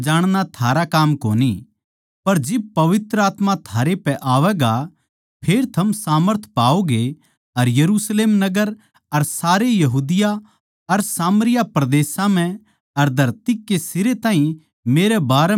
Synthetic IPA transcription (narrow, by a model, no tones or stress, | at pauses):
d͡ʒaːɽ̃ñat̪ʰaːɾakaːmkoːni | pɐɾd͡ʒɪb̚pɐʋɪt̪ɾəaːt̪mãt̪ʰaːɾepɛʔaːʋɛɡa | pʰeːɾt̪ʰɐmsaːməɾt̪ʰpaːoɡe | ɐɾjɐɾuːsleːmnɐɡəɾ | ɐɾsaːɾejɐɦuːd̪ɪja | ɐɾsaːməɾɪjapɾɐd̪eːsãm̤ɛ̃ | ɐɾd̪ʱɐɾt̪ikːesɪɾet̪ãːɦĩ | meːɾɛbaːɾɛ